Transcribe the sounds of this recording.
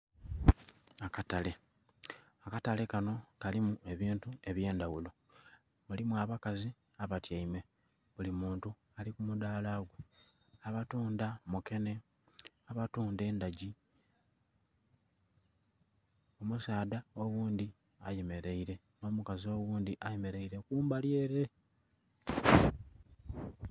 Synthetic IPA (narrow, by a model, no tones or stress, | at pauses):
akatale̞ | akatale̞kano̞kalimue̞βiːntue̞βje̞ːndawulo̞ | mulimuaβakazi | aβatjaime̞ | βulimuːntu | alikumud̪aːlaɡwe̞ | aβatuːndamuke̞ne̞ | aβatuːnde̞ːndaɟi | omusaːd̪ao̞wuːnd̪i | a̰jeme̞ɾe̞iɾe̞ | no̞ːmukazio̞wuːnd̪iʔajeme̞ɾe̞iɾe̞kuːmbalje̞ɾe̞